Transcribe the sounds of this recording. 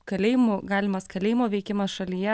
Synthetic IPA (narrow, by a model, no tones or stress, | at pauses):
kɐlʲeːjɪmuɡɑːlʲɪmɐskɐlʲeːjɪmoːʋʲɛɪkʲɪmɐsʃɐlʲijɛ